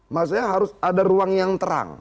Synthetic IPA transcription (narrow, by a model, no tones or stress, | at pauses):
mas̬ajaɦaɾʊsadaɾuaŋjaŋt̪əɾa̰ŋ